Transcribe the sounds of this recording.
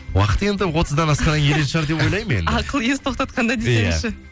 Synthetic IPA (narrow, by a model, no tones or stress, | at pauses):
wɑ̰qə̥t̪e̞nd̪ɪwo̞t̪əzd̪ɑnɑsqɑnɑeɾenʃɑɾd̪e̞po̞jlˠɑjmḛnɑqəlˠjezt̪ʰo̞qt̪ɑt̪̚qɑnd̪ɑd̪esj̪enɪʃɪ